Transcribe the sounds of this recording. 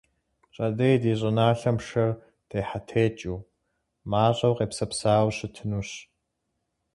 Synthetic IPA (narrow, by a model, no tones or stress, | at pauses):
ɕʼɐdɐjdiːɕʼɪnaːɬɐmʂɐr | d̥ʰeːħatʰeːt͡ʃʼuː | maːɕʼɐwqeːpsɐpsaːwɕɪtʰɨnuːɕ